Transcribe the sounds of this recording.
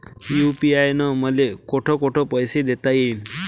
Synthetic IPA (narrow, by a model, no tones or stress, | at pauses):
jupiajnɔməlekoʈʰɔkoʈʰɔpəjsed̪et̪ajen